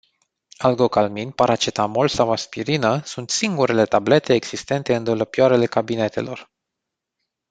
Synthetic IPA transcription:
alɡo̞kalminpaɾat͡ʃet̪amolsawaspiɾinəsunt̪siŋɡuɾe̞le̞t̪able̞t̪e̞ːɡz̥ist̪e̞nt̪e̞ɨnd̪oləpjaɾele̞kabine̞t̪e̞̰lo̞̰r

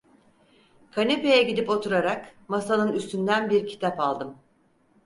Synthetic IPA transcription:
kʰanʲepe̞jɛɟid̪ipo̞t̪ʰuɾaɾakmasanɯnyst̪ynd̪ænbiɾcʰi̥t̪ʰapalˠd̪ɯm

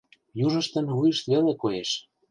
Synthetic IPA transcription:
juʒə̆ʃt̪ə̆nβujəʃt̪βelekojeʃ

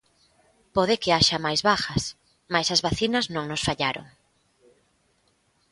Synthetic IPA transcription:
poðɪkeaʃɐmajzβaxɐs | majsɐzβaθinɐznõŋnosfaʎaɾo̰ŋ

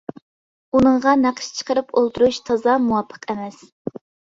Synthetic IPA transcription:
unɨɴʁɑnæqʰə̥ʃt͡ʃʰə̥qəɾɨpolˠt̪ʰuɾuʃt̪ʰɑzɑmuwɑpʰːə̥qɛmɛs

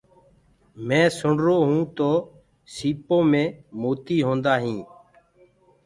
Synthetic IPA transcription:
mɛ̃ːsʊɳɾoːɦũːt̪oː | siːpõːmẽːmoːt̪iːɦõːnd̪aːɦĩː

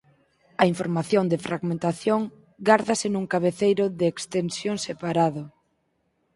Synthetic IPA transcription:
ɐiɱfoɾmaθjond̪ɪfɾʔaɣmẽnt̪aθjoŋ | ɡaɾðasɪnuŋkaβeθejɾʊðɪːkst̪ensjoŋsepaɾaðo

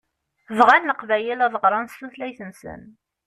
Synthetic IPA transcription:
ðʁænːəqvæjəlæðˤəʁɾˤɑnsθuθlæjθənsə̰n

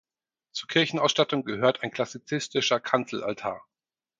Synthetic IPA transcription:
t͡suːɐkʰɪɐçn̩ʔaʊsʃtatʊŋɡəhøːɐtʰaɪnkʰl̥asit͡sɪstɪʃɐkʰant͡sl̩a̰ltʰa̰ːɐ

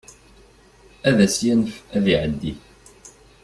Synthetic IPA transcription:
æðæsjænfæðiʕəd̪ːi

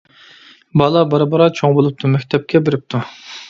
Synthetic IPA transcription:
bɑlˠɑbɑɾɑbɑɾɑt͡ʃʰoŋbolˠup̚t̪ʰumɛkʲt̪ʰɛp̚kʲɛbeɾɪp̚t̪ʰu

